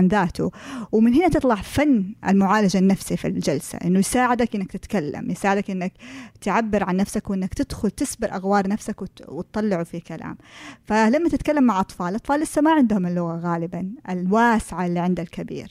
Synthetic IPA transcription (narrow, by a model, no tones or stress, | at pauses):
nðaːt̪ʊwmɪnɦɪnat̪ɨt̪ˤlɑʕfanːʔɪ̰lmʊʕaːlad͡ʒanːafsifḭld͡ʒalsa̰ʔɪnːʊjsaːʕɪd̪akʔɪnːakt̪ɪt̪kalːa̰mjɪsaːʕɪd̪akʔɪnːakt̪ʕabːɪɾʕanːafsakwʔɪnːakt̪ɪd̪̥xʊlt̪ɪsbɪɾʔaɣwɑːɾˤnafsakwwɪt̪t̪ˤːɑlːɪʕufikala̰ːmfalamːat̪ɪt̪kalːamːaʕʔɑt̪ˤfɑːlʔɑt̪ˤfɑːlːʔɪsːamaʕɪnd̪hʊmɪlːʊɣaɣaːlɪbanʔɪlwaːsɪʕalːiːʕɪnd̪alkabḭːɾ